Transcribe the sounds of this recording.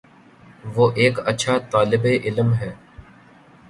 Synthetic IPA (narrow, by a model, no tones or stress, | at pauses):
ʋoːʔeːkətːʃʰat̪aːlɪbeʔɪləmɦɛː